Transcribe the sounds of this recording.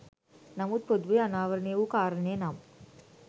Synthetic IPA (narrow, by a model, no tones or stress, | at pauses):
nɐmut̪̚pod̪ʋɐjɐnaːʋɐɾɳijɐʋukaːɾɐneːnaːm